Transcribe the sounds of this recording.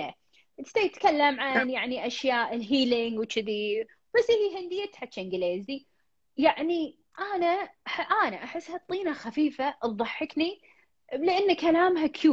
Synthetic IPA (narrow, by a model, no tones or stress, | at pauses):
a | t̪t̪ajt̪kalːamʕanjaʕniʔaʃjaːʔɪlɦiːlɪŋɡwt͡ʃɪði | b̥asːʔɪhiɦɪnd̪ɪjːat̪ħat͡ʃːeːnɡɪleːzi | jaʕni | ʔaːnaħʔaːnaʔaħɪsːhat̪ˤːiːnaxafiːfaʔðˤɑħːɪkni | lɪʔanːkalaːmɦakʰjuː